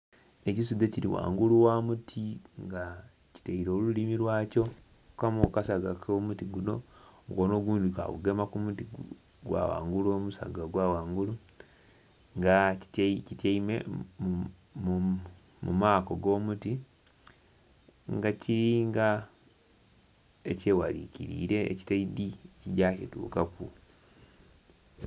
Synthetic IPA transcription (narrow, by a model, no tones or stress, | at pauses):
ecisud̪eciɾḭwa̰ːŋɡuluwamutʰiŋɡa | ci̥taiɾo̞ːlulimiɾwaːco | kamokasaɡakʰomutiɡuno̞̰ŋɡoːno̞ːɡuːnd̪ika̰ɣṵɡe̞makumuti | ɡwa̰wa̰ːŋɡuloːmusa̰ɡaɡwawaːŋɡulu | ŋɡatcitjaimḛm | mu | mṵmaːkoɡo̞ːmuti | ŋɡaciɾiŋɡa | ecewalicḭɾḭɾe̞̰ːci̥taidiciɟakitṵːkaku